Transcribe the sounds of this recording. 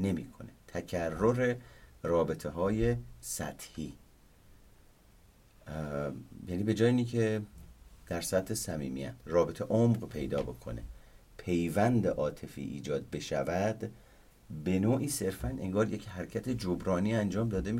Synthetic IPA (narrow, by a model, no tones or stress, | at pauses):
ne̞mḭːkʰo̞̰ne̞t̪ʰæcʰærːo̞ɾe̞rɒːbe̞t̪ʰeɦɒːje̞sæ̰t̪ʰhiː | jæniːbe̞d͡ʒɒːjiːnicʰe | d̪̥æɾsæt̪ʰhe̞sæmḭːmḭæ̰t̪rɒːbe̞t̪ʰe̞ʔomɢpʰe̞jd̪ɒ̰ːbo̞̰kʰo̞̰ne̞̰ | pʰe̞jvænd̪eʔɒːt̪ʰe̞fḭːʔḭːd͡ʒɒːd̪̚be̞ʃævæd̪ | be̞noːʔiːse̞ɾfænʔe̞̰ŋɡɒːɾje̞cʰhæɾcʰæt̪ʰe̞d͡ʒobɾɒːniːænd͡ʒɒːmd̪ɒːd̪e̞mi